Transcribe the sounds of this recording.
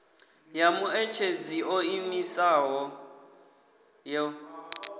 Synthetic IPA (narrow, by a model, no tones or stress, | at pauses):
jamʊet͡ʃʰed͡ziʔoimisaɦɔ | jɔ